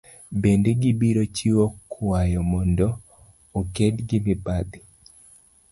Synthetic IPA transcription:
bendeɡibiɾot͡ʃiwokʰwajɔmɔndɔ | okedɡimɪbad̪i

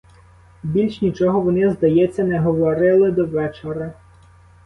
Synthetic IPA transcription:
bʲilʲʃnʲit͡ʃɔɦɔʋɔnɪzd̪ɐjɛt͡sʲːɐnɛɦɔʋɔɾɪlˠɪd̪ɔʋɛt͡ʃeɾɐ

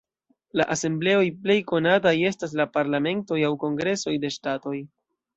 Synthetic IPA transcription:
laʔase̞mble̞o̞jple̞jko̞nataje̞stas̬lapaɾlame̞nto̞jawko̞ŋɡɾe̞so̞jde̞ʃtato̞j

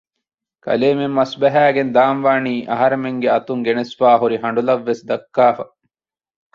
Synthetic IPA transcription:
kʰɐ̰leːmemːɐsbæɦæːɡend̪aːmʋaːniːʔɐɦɐɾemeŋɡeɐt̪uŋɡenesʋaːɦuɾiɦɐɳɖulɐʋːesd̪ɐkːaːfɐ

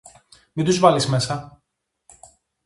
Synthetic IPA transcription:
mit̪uzvɐlismesɐ

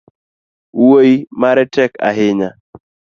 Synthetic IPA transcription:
woimaɾɛtɛka̰ɦɪɲa

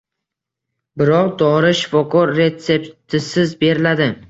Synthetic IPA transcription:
bɪɾɒqd̪ɒɾɪʃɪ̥fɒkʰɒɾːe̞t̪se̞pt̪ʰɪsɪzbe̞ɾɪlad̪ɪ

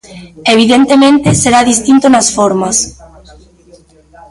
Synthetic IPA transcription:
eβ̞iðent̪emẽnt̪eseɾaðist̪int̪onasfoɾmas

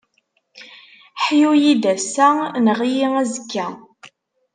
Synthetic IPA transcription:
ħjujid̪æsænəʁjiŋæzəkːæ

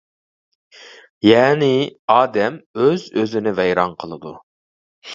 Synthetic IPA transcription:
jɛːnɪɑːd̪ɛmøzøzɪnɪvɛjɾɑnqʰəlˠɨd̪u

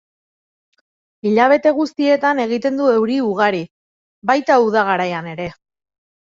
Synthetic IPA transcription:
iʎaβ̞e̞t̪e̞ɣ̞ust̪ie̞t̪ane̞ɣ̞it̪e̞nd̪ue̞wɾiuɣ̞aɾi | βajt̪auðaɣ̞aɾajane̞ɾe̞

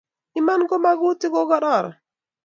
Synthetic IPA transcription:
imanɡɔmaɡutiɡɔɡɔɗɔɾ̰

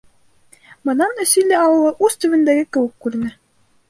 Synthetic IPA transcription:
bɤ̆nɑmnæsĭlːæɑlˠɤ̆lˠɑʔʉzt̪ɵ̆βɘ̆nd̪æɡɘkɘ̆wɘkːʉɾɘ̆nɘ

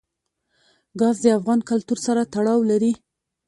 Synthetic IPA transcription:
ɡɑzd̪əafɣɑnkalt̪uɾsaɾat̪aɽɑwlaɾi

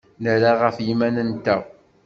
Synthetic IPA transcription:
nəɾaʁəfjimænənt̪æ

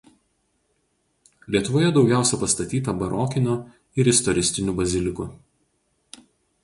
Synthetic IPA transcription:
lʲiɛt̪ʊʋoːjɛd̪ɒʊɡʲæˑʊsʲɛpɐst̪ɐt̪ʲiːt̪ɐbɐɾʔoːkʲɪnʲoː | ɪɾɪst̪ɔɾʲɪsʲt̪ʲɪnʲuːbɐzʲɪlʲɪkʊ

